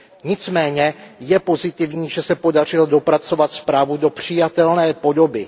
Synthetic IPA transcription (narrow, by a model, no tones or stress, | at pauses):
ɲɪt͡smɛːɲɛjɛpo̞zɪt̪ɪvɲiːʒɛsɛpo̞dar̝ɪldo̞pɾat͡so̞vat̪spɾaːvudo̞pr̥ɪjat̪ɛlnɛːpo̞do̞bɪ